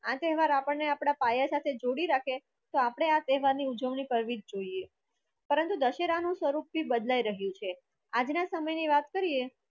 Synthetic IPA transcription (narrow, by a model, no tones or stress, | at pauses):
at̪ɛɦʋaɾapəɳneapɽ̃apajasat̪ʰed͡ʒoɽiɾakʰe | t̪oapɽ̃eat̪ɛɦʋaɾniud͡ʒəʋɳipəɾʋid͡ʒd͡ʒoie | pəɾənt̪ud̪əʃeɾanũsʋəɾup̚ːibəd̪laiɾəɦjũt͡ʃʰe | ad͡ʒnasəməjniʋat̪kəɾie